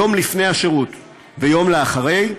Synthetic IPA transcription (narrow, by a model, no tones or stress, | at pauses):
o̞mlifne̞jhaʃeʁut | vejo̞mleaχaʁe̞j